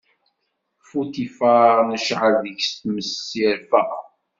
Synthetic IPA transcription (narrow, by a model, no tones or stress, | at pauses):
fut̪ifanəʃʕəlðəʝst̪məsːiɾfæʔ